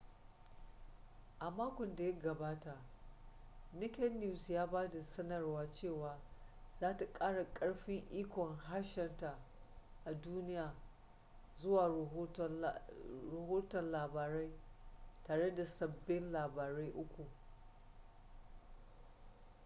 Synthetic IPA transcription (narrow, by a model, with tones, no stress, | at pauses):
ʔa˨maː˦kʷɔ˨nda˨jɐ˦ɡɐ˨baː˦ta˨ʔ | nɪ˦kʲɛ˦nːu˦sjaː˦baː˦da˨sɐ˦nɐ˨rwaː˦t͡ʃeː˦˨waː˨zaː˦ta˨kʼaː˦ɽa˨kʼɐ˦ɽɸɪ˦ŋʔiː˦kʷɔ˨ŋɦa˦ʃɛ˨nta˨ʔa˨duː˦nɪ˦jaː˨ | zʊ˦waː˨˦˨ | ɾɐ˨ɦoː˦tɔ˨nlaː˨baː˨ɾa˦jtaː˨ɽe˦da˨sɐ˨bːɪ˦nlaː˨baː˨ɾa˦jʔʊ˦kʷu˨